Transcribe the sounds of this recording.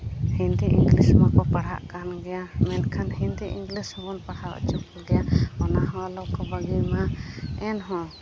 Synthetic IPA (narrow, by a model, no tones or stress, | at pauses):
hĩnd̪iʔḭŋɡlismakɔpaɽɦa̰ʔkanɡɛjamɛnkʰanhind̪iʔiŋɡlishɔbɔnpaɽhawa̰ʔt͡ʃukɔɡɛjaɔnaɦɔwalɔkɔbaɡijmaɛnɦɔ̃